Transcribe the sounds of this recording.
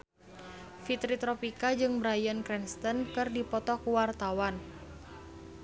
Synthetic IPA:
fit̪ɾit̪ɾɔpikad͡ʒɨŋbɾajənkɾɛnst̪ənkɨrdipɔt̪ɔkuwart̪awan

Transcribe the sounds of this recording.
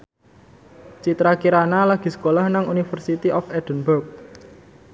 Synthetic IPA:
t͡ʃit̪ɾakiɾanalaɡ̥i̤sə̥kolahnaŋunifərsit̪iʔɔfɛd̪̥ənburk̚

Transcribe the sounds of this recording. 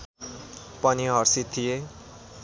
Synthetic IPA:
pʌniɦʌɾsit̪ʰːije

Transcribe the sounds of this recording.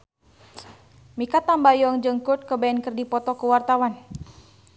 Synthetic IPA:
mikat̪ambajɔŋd͡ʒəŋkut̪̚kəbaɛnkərdipɔt̪ɔkəwart̪awan

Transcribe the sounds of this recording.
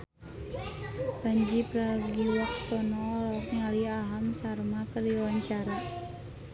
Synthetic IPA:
paɲd͡ʒipɾaɡiwaksɔnɔlɔkŋaliaɦamsarmakəriwaɲt͡ʃaɾa

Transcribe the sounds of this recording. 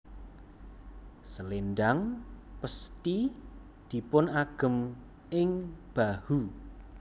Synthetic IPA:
səlend̪aŋpəst̪i | d̪̥i̤pʊnaɡ̥ə̤m | ɪŋb̥ahu

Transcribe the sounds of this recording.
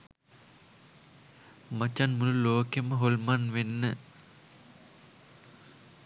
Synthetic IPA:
mat͡ʃanmululoːkeməɦolmanʋenːə

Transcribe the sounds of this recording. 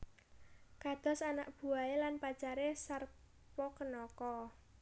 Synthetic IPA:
kad̪̥ɔ̤sanaʔ̚b̥ṳaelanpḁt͡ʃaɾesar | pɔkənɔkɔ

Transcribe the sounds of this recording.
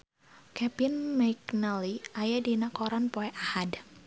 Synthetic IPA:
kɛbɪnmajknəliajadinakɔɾanpoɛʔahad

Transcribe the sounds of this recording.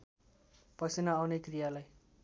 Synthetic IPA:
pʌsinʌːwnekrijalaj

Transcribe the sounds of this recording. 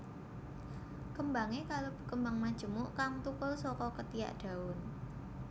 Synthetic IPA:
kəmbaŋekalob̥ə̤̥kəmbaŋmḁʒ̥ə̤mʊʔkaŋt̪ukʊlsɔkɔkət̪ija̰ʔɖ̪̥a̤ʊn

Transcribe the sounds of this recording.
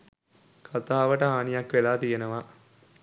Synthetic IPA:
kʰat̪aːʋəʈəɦaːnijakʋelaːt̪ijenəʋa

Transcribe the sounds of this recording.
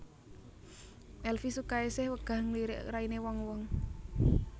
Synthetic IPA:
ʔɛlfisukaesɛhwəɡ̥a̤ŋliɾɪ̰ʔrainewɔŋwɔŋ

